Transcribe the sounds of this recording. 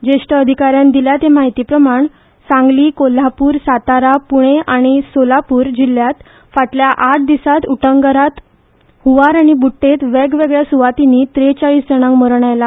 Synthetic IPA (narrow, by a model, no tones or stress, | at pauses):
d͡ʑeʂʈəːd̪ʱikaɾjãnd̪iljat̪emaɦit̪iːpɾəmaɳ | sãŋɡliːkol̤apuːɾsat̪aɾapuɽ̃eʔaɽ̃isolapuːɾd͡ʑil̤jat̪ | faʈljaʔaʈ̚ʰd̪isat̪uʈəŋɡəɾat̪ | huʋaɾaɽ̃ibuʈːet̪ʋɛɡʋeɡɭjasuʋat̪iniːt̪ɾet͡ɕaɭiːsd͡zəɽ̃ãŋɡməɾɳ̃ajla